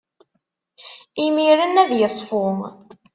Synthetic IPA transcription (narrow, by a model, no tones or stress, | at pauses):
imiɾənæðjəsˤfʊm